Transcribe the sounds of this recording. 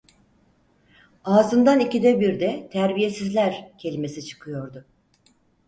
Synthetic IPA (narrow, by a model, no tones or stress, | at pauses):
aːzɯnd̪anicid̪ɛbiɾd̪ɛt̪ʰæɾbije̞sizlʲæɾcʰe̞lʲime̞sit͡ʃʰɯ̥kʰɯjo̞ɾd̪ʊ